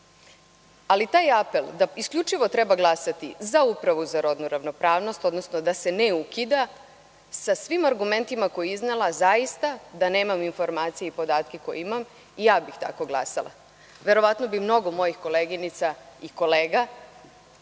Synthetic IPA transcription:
alit̪aːjape̞lˠd̪aiskʎʲut͡ʃiʋo̞t̪ɾebaɡlˠasat̪izaupɾaʋuzaɾod̪nuɾaʋno̞pɾaːʋno̞st̪o̞d̪no̞snod̪ase̞neukid̪a | sasʋimaɾɡume̞nt̪imako̞jiiznelˠazajist̪ad̪ane̞ːmaminfo̞ɾmaːt̪sijeipo̞d̪aːt̪kekojiimam | ijaːbixt̪a̰ko̞ɡlˠa̰salˠa̰ | ʋe̞ɾo̞ʋat̪no̞bimno̞ɡo̞mo̞jixko̞leːɡinit̪saiko̞leːɡa

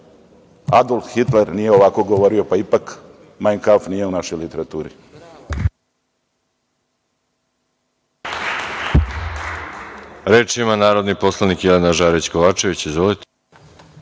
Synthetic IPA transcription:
a̰d̪olˠt̪xit̪le̞ɾnije̞o̞ʋako̞ɡoʋo̞ɾio̞paipak | majnkafnije̞unaʃo̞jlit̪e̞ɾat̪uːɾḭ | ɾet͡ʃimanaːɾo̞d̪nipo̞slˠanikjelenaʒaːɾit͡ɕkoʋaːt͡ʃe̞ʋit͡ɕezʋolet̪e̥

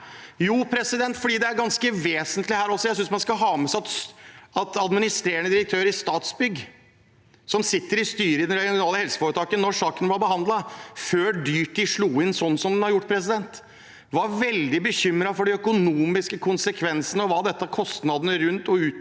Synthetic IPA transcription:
juːpʰɾɛsɪd̪ɛnt̪fɔɖiːd̪ɛæɾɡɑnskəʋeːsənt̪lɪhæːɾɔsɔjæɪsʏnsmɑnskɑɦɑːməsɑt̪ɑt̪ɑd̪mɪnɪst̪ɾeːəɳəd̪ɪɾək̚t̪ʰøːɾɪst̪ɑːt̪sbʏɡː | sɔmsɪt̪ːəɾɪst̪yːɾəɪd̪ɛnɾɛɡɪɡʊnɑːləhɛlsə̥foːɾət̪ʰɑːkənnːɔʂɑːkənbɑɾbəɦɑnd̪lɑføːɖyːʈɪʂɭuːɪnsɔnːsɔmd̪ɛnhɑɾjʊʈːpʰɾɛs̬ɪd̪ɛnt̪ | ʋɑɾʋɛld̪ɪbəçʏmːɾɑfɔɖɛœkʊnuːmɪskəkʰʊnsəkʰʋɛnsənəɔʋɑːd̪ɛt̪ːəkʰɔst̪nɑd̪ənəɾʉnt̪ɔʉː

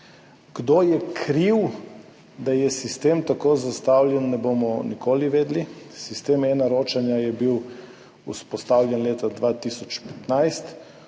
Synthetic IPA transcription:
ɡ̥d̪oːjɛkʰɾiw | d̪ajɛsist̪eːmt̪akoːzast̪awlʲjɛnːɛboːmɔnikoːliʋeːd̪lisist̪eːmɛːnaɾoːt͡ʃanjajɛbiw | uspɔst̪awljɛnleːt̪ad̪ʋat̪isɔt͡ʃpɛt̪najst̪

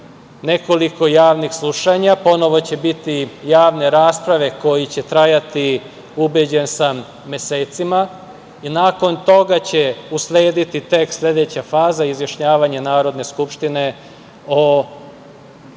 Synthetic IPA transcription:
ne̞ko̞liko̞jaːʋnixslˠuʃaɲapo̞no̞ʋo̞t͡ɕe̞bit̪ijaːʋne̞ɾaːspɾaʋe̞ko̞jit͡ɕe̞t̪ɾajat̪i | ubed͡ʑe̞nsam | me̞seːt̪sima | inaːko̞nt̪o̞ɡat͡ɕeusle̞ːd̪it̪it̪eksslʲe̞d̪et͡ɕafaːzaizʋjaʃɲaːʋaɲenaːɾo̞d̪ne̞skupʃt̪ine̞ | o

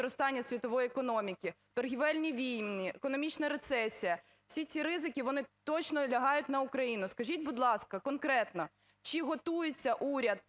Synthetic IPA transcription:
ɾɔst̪ɑnʲːɐsʲʋʲit̪ɔʋɔjiekɔnɔmʲikʲi | t̪ɔrɦʲiʋɛlʲnʲiʋʲijmnʲiekɔnɔmʲit͡ʃnɐɾet̪sɛsʲijɐ | w̥sʲit͡sʲiɾɪzɪkʲiʋɔnɪt̪ɔt͡ʃnɔlʲɐɦɑjʊt̚ʲn̪ɐukɾɐjinʊskɐʒʲit̪̚ʲbʊd̪lˠɑskɐkɔnkɾɛt̪nɔ | t͡ʃiɦɔt̪ujɪt͡sʲːɐʔuɾʲɐd̪̚

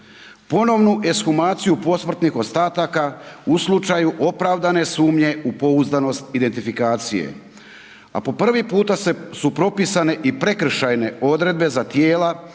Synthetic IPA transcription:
po̞no̞ʋnuʔe̞sxumaːt̪sijupo̞smr̩t̪nixo̞st̪aːt̪akauslˠut͡ʃajuʔo̞pɾaʋd̪ane̞suːmɲe̞upo̞uzd̪ano̞st̪id̪e̞nt̪ifikaːt̪sijḛ | a̰po̞pr̩ʋipuːt̪aesupɾo̞pisane̞ʔipɾe̞kr̩ʃajne̞o̞d̪ɾe̞d̪be̞zat̪je̞ːla

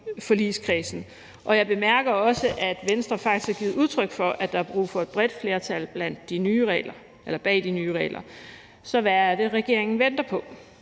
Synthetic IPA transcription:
fɒ̽liːskʰʁiːsn̩ | ʔɒ̽jɑ̈ɪb̥e̝mæɐɡ̥ɐɒ̽səʔæd̥ʋensd̥ʁɐfɑ̈ɡ̥̚d̥i̥sæɡ̥iːð̩ˠuð̞ˠt͡sʰʁœɡ̥fɒ̽ʔæd̥ɑ̈hɑ̈b̥ʁṵːfɒ̽e̝d̥̚b̥ʁɛd̥fle̝ːɐt͡sʰælb̥læn̰d̥ːinyːʁɛːlɐ | ʔelɐb̥ɛ̰ːd̥inyːʁɛ̰ːlɐ | sɒ̽ʋææɐd̥e̝ʁɛɡ̥e̝ɐe̝ŋn̩ʋen̰d̥ɐpʰɒ̽

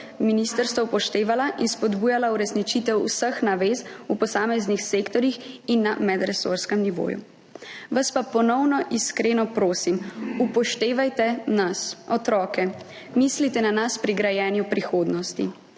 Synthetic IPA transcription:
minist̪əɾst̪ʋɔupɔʃt̪eːʋalaʔinspɔd̪buːjalauɾɛsnit͡ʃit̪ɛwusəxnaʋeːzupɔsaːmɛznixseːkt̪ɔɾjixinːamɛd̪ɾɛso̰ɾskɛmniʋo̰ːjṵ | ʋaspapɔnɔwnɔʔiskɾeːnɔpɾoːsimupɔʃt̪eːʋajt̪ɛnasɔt̪ɾɔːkɛ | miːslit̪ɛnanaspɾiɡɾajɛːnjupɾixoːd̪nɔst̪ḭ

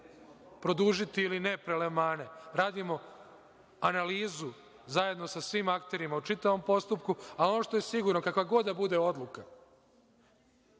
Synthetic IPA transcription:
pɾo̞d̪uʒit̪iilinepɾelemaːne̞ɾaːd̪imo̞ | analiːzu | zaje̞d̪no̞sasʋiːmakt̪e̞ɾimaut͡ʃit̪aʋo̞mpo̞st̪upkuao̞no̞ʃt̪o̞je̞siɡuɾno̞kakʋaɡo̞d̪d̪abud̪e̞o̞d̪lˠuka

